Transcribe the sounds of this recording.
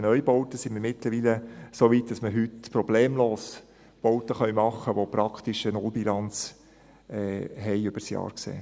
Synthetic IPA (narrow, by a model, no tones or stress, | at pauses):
nœjbɔwt̪əsinmɪɾmɪt̪ləɾʋiːləsoːʋit̚d̥ɑsməɦytpɾɔb̥leːmloːs | b̥ɔwt̪əχœnmɑχːəʋopɾɑkχt̪iʃənʊlbilɑnt͡s | ɛːɦɛɪʏb̥əsjɑ̰ːɾksḛː